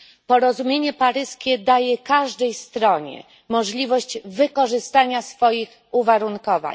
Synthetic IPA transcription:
pɔɾɔzumʲjeɲɛpaɾɘskʲɛd̪ajɛkaʐd̪ɛjst̪ɾɔɲɛ̰ | mɔʐlʲivɔɕd͡ʑvɘkɔʐɘst̪aɲasfɔjix | uvaɾunkɔva̰

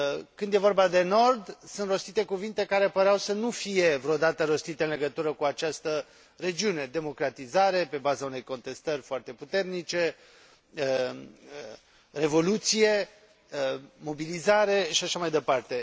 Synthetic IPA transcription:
kɨnd̪jevo̞rbad̪e̞no̞rd̪sɨnt̪ro̞st̪it̪e̞kuvint̪e̞kaɾe̞pəɾeawsənufije̞vɾeod̪at̪əɾo̞st̪it̪e̞ɨnle̞ɡət̪uɾəkuat͡ʃast̪ə | re̞d͡ʒiune̞d̪e̞mo̞kɾat̪izaɾe̞pe̞bazaune̞jko̞nt̪e̞st̪ərʲfoart̪e̞put̪e̞rnit͡ʃe̞ | re̞vo̞lut̪sije̞ | mo̞bilizaɾe̞ʃiaʃamajd̪e̞part̪e̞

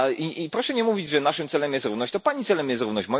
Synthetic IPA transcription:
ʔiipɾɔʂɛɲɛmuvʲid͡ʑʐɛnaʂɨmt̪sɛlɛmjɛst̪ɾuvnɔɕt͡ɕ̚t̪ɔpaɲit̪sɛlɛmjɛst̪ɾuvnɔɕt͡ɕmɔ

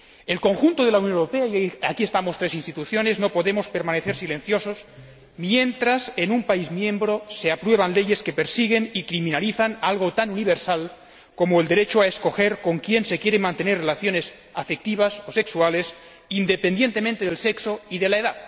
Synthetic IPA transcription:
e̞lko̞ŋxunt̪oð̞e̞launjonewɾope̞aiakiest̪amost̪ɾe̞sinst̪it̪uθjo̞ne̞zno̞po̞ðemo̞spe̞ɾmãne̞θeɾsile̞nθjo̞sos | mje̞nt̪ɾase̞numpaizmjẽ̞mbɾose̞apɾwe̞β̞anle̞je̞ske̞peɾsiɣ̞e̞nikɾimĩnaliθanalɣ̞o̞t̪anuniβeɾsal | ko̞moeld̪e̞ɾet͡ʃoaesko̞xe̞ɾko̞ŋkje̞nse̞kjeɾemãnt̪e̞nerelaθjo̞ne̞s | afek̚t̪iβ̞asose̞ksuale̞s | ind̪e̞pend̪je̞nt̪e̞mẽnt̪eðelseksoiðe̞laeðað

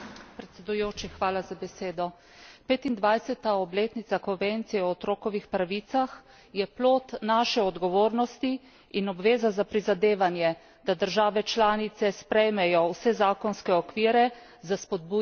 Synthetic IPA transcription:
pɾɛt̪sɛd̪ujoːt͡ʃixʋaːlazabɛseːd̪ɔ | peːt̪ind̪ʋajsɛt̪aɔbleːt̪nisakɔnʋent̪sijɛɔɔt̪ɾoːkɔʋixpɾaʋiːt̪sax | jɛploːt̪naːʃɛɔd̪ɡɔʋoːɾnɔst̪i | inɔbʋeːzazapɾizad̪eːʋanjɛ | d̪ad̪əɾʒaːʋɛt͡ʃlaːnit̪sɛspɾɛjmɛjɔwsɛzaːkɔnskɛɔkʋiːɾɛ | zaspɔd̪̚bu

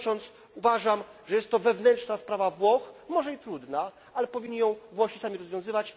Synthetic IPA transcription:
t͡ʂɔnt̪s | uvaʐamʐɛjɛst̪ːɔvɛvnɛntt͡ʂnaspɾavavwɔxmɔʐɛit̪ɾud̪na | alɛpɔvʲiɲːijɔ̃w̃vwɔɕisamʲiɾɔzvʲjɔ̃w̃zɘvat͡ɕ

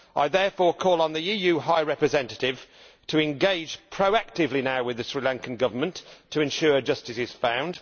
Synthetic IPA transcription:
ʔa̰ɪðɛɹfɔːɹkʰɔːlˠə̃nðiijʉːɦaɪɹɛpɹɨzɛ̃ntətɪv̥ | tʰəɪ̃nɡeɪdd͡ʒʒ̥pʰɹ̥əʊak̚tɪvlinaʊwɪðɨsɹilãŋkə̃nɡʌvəmə̃ntʰəɨ̃nʃʊːd͡ʒʌstɪsɪz̥fãʊ̃nd̥

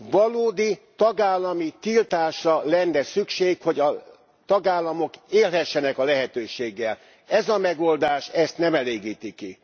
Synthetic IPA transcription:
ʋɒloːd̪it̪ɒɡaːlːɒmit̪ilt̪aːʃrɒlɛnːɛsykʃeːkho̞ɟɒ | t̪ɒɡaːlːɒmo̞keːlɦɛʃːɛnɛkɒlɛɦɛt̪øːʃeːɡːɛl | ɛzɒmɛɡo̞ld̪aːʃɛst̪nɛmɛleːɡiːt̪iki

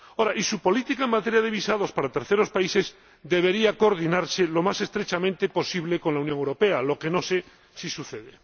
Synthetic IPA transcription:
oɾaʔisupo̞lit̪ikaeŋmat̪eɾjað̞e̞β̞isaðo̞spaɾat̪e̞ɾθeɾo̞spaise̞z | d̪e̞βe̞ɾiakoɾð̞inaɾse̞lo̞mase̞st̪ɾet͡ʃamẽnt̪e̞po̞siβleko̞nlaunjoŋewɾo̞pe̞alo̞ke̞no̞se̞ | sisuθe̞ðe

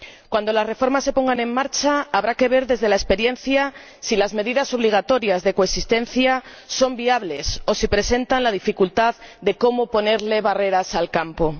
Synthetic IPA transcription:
kwand̪o̞lasre̞fo̞ɾmasːe̞po̞ŋɡanẽ̞ŋːaɾt͡ʃaaβɾake̞β̞e̞ɾðe̞zðe̞laespe̞ɾje̞nθja | silazme̞ðiðaso̞β̞liɣ̞at̪o̞ɾjazðe̞ko̞esist̪e̞nθja | so̞mbiaβle̞so̞sipɾe̞se̞nt̪anlað̞ifikult̪aððe̞ko̞mo̞po̞ne̞ɾle̞βare̞ɾasalkampo̞

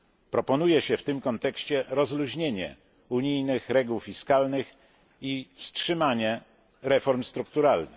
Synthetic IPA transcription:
pɾɔpɔnujɛɕɛft̪ɘmkɔnt̪ɛkɕt͡ɕɛɾɔzluʑɲeɲɛ̰ | uɲijnɘxɾɛɡuwfʲiskalnɘx | ifstʂɘmaɲɛ | ɾɛfɔɾmst̪ɾukt̪uɾalnɘx

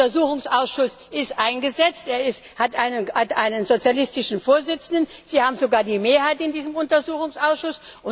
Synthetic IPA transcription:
ɐzuːxʊŋsʔaʊsʃʊsʔɪstʔaɪnɡəzɛt͡stʔeːɐɪsthatʔaɪnəhatʔa̰ɪnənzot͡sjalɪstɪʃn̩foːɐzɪt͡sn̩dən | z̥iːhaːbm̩zoɡaːɐdiːmeːɐɦaɪtɪndiːzəmʊntɐzuːxʊŋsʔaʊsʃʊs | ʔʊ

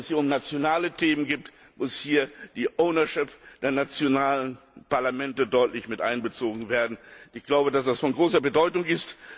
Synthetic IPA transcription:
shiːɐʊmnat͡sjonaːlətʰeːmənɡiːp̚t | mʊshiːɐd̥iːʔoʊnɐʃɪpd̥eːɐnat͡sjonaːlən | paɐlamɛntədɔʏtlɪçmɪtʔa̰ɪnbət͡soːɡŋ̩veːɐdn̩ʔɪçɡ̥laʊbədasd̥asfɔnɡʁoːsɐbədɔʏtʊŋɪst

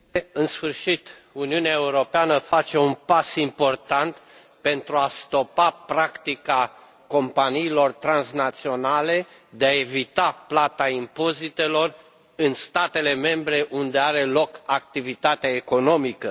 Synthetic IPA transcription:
ɨnsfɨrʃit̪uniuneae̞uɾo̞peanəfat͡ʃe̞unpasimpo̞rt̪ant̪ | pe̞nt̪ɾuast̪o̞papɾakt̪ika | ko̞mpaniːlo̞rt̪ɾansnat̪sio̞nale̞d̪eae̞vit̪aplat̪aimpo̞zit̪e̞lo̞r | ɨnst̪at̪e̞le̞me̞mbɾe̞ʔund̪e̞aɾe̞lo̞kak̚t̪ivit̪at̪eaeko̞no̞mikə

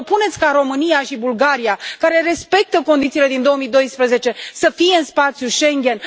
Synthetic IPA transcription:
punet̪sʲkaɾo̞mɨnijaʃibulɡaɾijakaɾe̞ɾe̞spe̞k̚t̪əko̞nd̪it̪sile̞d̪ind̪o̞omid̪ojspɾəze̞t͡ʃe̞səfije̞ɨnspat̪sʲjuʃe̞ŋɡʲe̞n

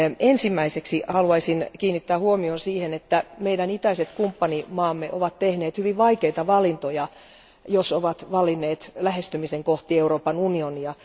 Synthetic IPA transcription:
ensimːæiseksihɑluɑisinkiːnːit̪ːæːhuomionsiːhenet̪ːæmeidænit̪æiset̪kumpːɑnimɑːmːeʔoʋɑt̪t̪ehneːt̪hyʋiʋʋɑikeit̪ɑʋɑlint̪ojɑ | josoʋɑt̪ʋɑlinːeːt̪læhest̪ymiseŋkoht̪ieuroːpɑnunioniɑ

